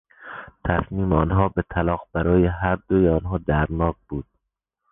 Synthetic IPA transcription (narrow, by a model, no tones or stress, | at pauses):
t̪ʰæsmiːmeɒnɦɒːbet̪ʰælɒːɣb̥æɾɒːjeɦæɾd̪ojeɒnɦɒːd̪æɾnɒːk̚b̥uːd̪̥̚